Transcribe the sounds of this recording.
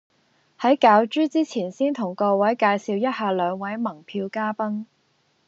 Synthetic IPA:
hɐ˨˥jkaː˨˧wt͡ʃyː˥t͡siː˥t͡sʰiː˨˩nsiː˥nt̪ʰʊ˨˩ŋkɔː˧wɐ˨˥jkaː˧jsiː˨˧wjɐ˥t̚haː˧lœː˨˧ŋwɐ˨˥jmɐ˨˩ŋpʰiː˧wkaː˥pɐ˥ŋ

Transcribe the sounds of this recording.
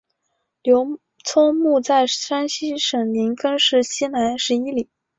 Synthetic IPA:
ljo˧˥ʊ | t͡sʰo˥mu˥˧t͡sa˥˩ɪʂa˥nɕi˥ʂɤ˨˩ŋli˧˥ŋkə˥nʂɻ̩˥˩ɕi˥na˧˥nʂɻ̩˧˥i˥li˨˩˦

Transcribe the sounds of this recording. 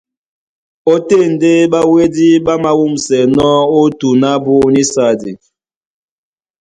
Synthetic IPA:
o˦te˦˨n̩˨de˦ɓa˦we˦di˦ɓa˦ma˦wu˦msɛ˨nɔ˦o˦tu˨na˦bu˦ni˦sa˦˨di˨

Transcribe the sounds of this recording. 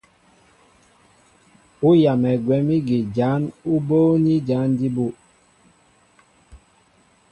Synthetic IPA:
u˦ja˨mɛ˨ɡwɛ˨˦mi˦ɡi˨d͡ʒa˨˦nu˦boː˦ni˦d͡ʒa˨˦ndi˦bu˦˨ʔ

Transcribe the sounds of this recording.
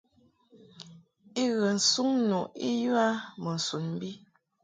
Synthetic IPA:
i˦ɣə˨n̩˨su˦ŋnu˨i˦jwa˦mə˨n̩˨su˨nm̩˦bi˦

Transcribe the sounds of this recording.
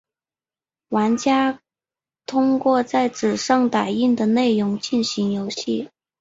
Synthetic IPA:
wa˧˥nt͡ɕja˥ | t̪ʰʊ˥ŋkwɔ˥˧t͡sa˥˩ɪʈ͡ʂɻ̩˨˩ʂɑ˥˩ŋt̪a˨˩ɪi˥˩nd̪ə˩ne˥˩ɪɻʊ˧˥ŋt͡ɕi˥˩nɕi˧˥ŋjo˧˥ʊɕi˥˩

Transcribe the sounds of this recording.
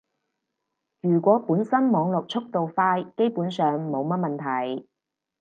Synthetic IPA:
ɥyː˨˩kʷɔː˨˥puː˨˥nsɐ˥nmɔː˨˧ŋlɔ˨k̚t͡ʃʰʊ˥k̚t̪o˨wfaː˧jke˥jpuː˨˥nsœː˨ŋmo˨˧wmɐ˥t̚mɐ˨nt̪ʰɐ˨˩j

